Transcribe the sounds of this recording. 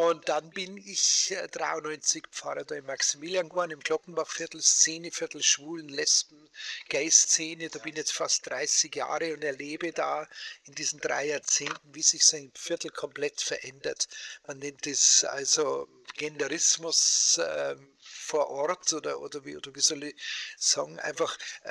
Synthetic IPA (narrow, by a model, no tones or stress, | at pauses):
ʊnt̚d̥anbɪnɪçd̥ʁaɪʊnːɔʏnt͡sɪkpp͡faʁɐdaːɪnmaksimiːljanɡanɪmɡ̥lɔkn̩b̥afɪɐtl̩st͡seːnəfɪɐtl̩ʃv̥uːlən̩lɛspn̩ɡ̥aɪst͡seːnədaːbɪnçjɛt͡stfastd̥ʁaɪsɪɡja̰ːʁəʊntɛɐleːbədaːɪndiːzn̩dʁa̰ɪjaːɐt͡seːntn̩viːzɪçsoaɪnfɪɐtl̩kʰɔmplɛtfɛɐʔɛndɐtmanːɛntd̥esʔa̰lzo | ɡ̥ɛndəʁɪsmʊsɛm | foːɐʔɔɐtʰoːdɐʔo̰ːdɐvḭːʔoːdəviːzɔləsa̰ːŋʔa̰ɪnfaχ